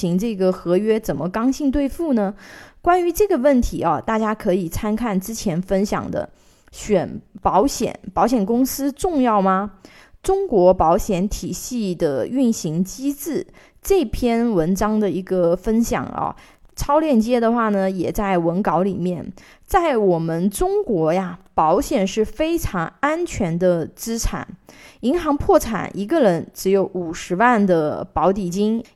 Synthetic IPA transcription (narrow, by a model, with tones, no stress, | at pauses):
i˧˥ŋʈ͡ʂɤ˥˩ɡə˩xɤ˧˥ɥɛ˥t͡sə˨˩nmə˦kɑ˥ŋɕi˥˧ŋt̪̬we˥˧ɪfu˥˩nə˩kwa˥ny˧˥ʈ͡ʂɤ˥˩ɡə˩wə˥˩nt̪ʰḭ˧˥ɐ˧˩t̪a˥˩t͡ɕja˥kʰɤ˧˥i˨˩t͡sʰa˥nkʰa˥˩nʈ͡ʂɻ̩˥t͡ɕʰjɛ˧˥nfə˥nɕjɑ̰˨˩ŋd̪ə̰˦ | ɕɥɛ˨˩npɑ˧˥ʊɕjɛ̰˨˩˦npɑ˧˥ʊɕjɛ˨˩nkʊ˥ŋsɹ̩˥ʈ͡ʂʊ˥˧ŋjɑ˥˩ʊmɐ˩ | ʈ͡ʂʊ˥ŋkwɔ˧˥pɑ˧˥ʊɕjɛ˧˥nt̪ʰi˨˩ɕi˥˩d̪ə˩y˥˩nɕi˧˥ŋt͡ɕi˥t͡sɹ̩˥˩ | ʈ͡ʂɤ˥˩pʰjɛ˥nwə˧˥nʈ͡ʂɑ˥ŋd̪ə˨i˧˥ɡə˧fə˥nɕjɑ̰˨˩ŋɐ̰˧ | ʈ͡ʂʰɑ˥ʊljɛ˥˩nt͡ɕjɛ˥d̪ə˨xwa˥˩nə˩jɛ˨˩t͡sa˥˩ɪwə˧˥nkɑ˧˥ʊli˨˩mjɛ˥˩n | t͡sa˥˩ɪwɔ˨˩mə˦nʈ͡ʂʊ˥ŋkwɔ˧˥ja˧pɑ˧˥ʊɕjɛ˨˩nʂɻ̩˥˩fe˥ɪʈ͡ʂʰɑ˧˥ŋa˥nt͡ɕʰɥɛ˧˥nd̪ə˧t͡sɹ̩˥ʈ͡ʂʰa̰˨˩˦ni˧˥ŋxɑ˧˥ŋpʰwɔ˥˩ʈ͡ʂʰa̰˨˩˦nʔi˧˥ɡə˧ɻə˧˥nʈ͡ʂɻ̩˧˥jo˧˥ʊu˨˩ʂɻ̩˧˥wa˥˩nd̪ə˩pɑ˧˥ʊt̪i˨˩t͡ɕi˥ŋ